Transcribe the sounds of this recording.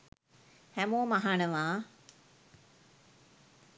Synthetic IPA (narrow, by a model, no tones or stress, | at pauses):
hɛmoːmaɦaɳəʋaː